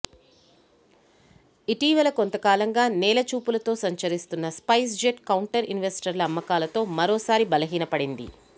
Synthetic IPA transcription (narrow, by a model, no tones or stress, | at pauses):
iʈiːʋɐlɐkont̪ɐkaːlɐŋɡaːnɛːlɐt͡ʃuːpulɐt̪o̞ːsɐɲt͡ʃɐɾist̪unːɐspɐjs̬d͡ʒeʈkɐwɳʈɐɾinʋesʈɐɾlɐːmːɐkaːlɐt̪o̞ːmɐɾo̞ːsaːɾibɐlɐɦiːnɐpɐɽind̪ḭ